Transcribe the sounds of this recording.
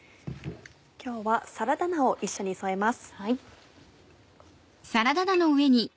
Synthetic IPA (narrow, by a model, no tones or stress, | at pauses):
kʲo̞ːβasaɾad̪anao̞ʔiɕːo̞ɲ̟isoe̞masɨ̥ | saɾad̪ad̪ano̞ɯ̟e̞ɲ̟i